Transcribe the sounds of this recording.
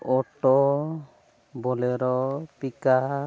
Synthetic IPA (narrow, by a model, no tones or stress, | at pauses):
ɔʈɔ | bɔleɾɔpika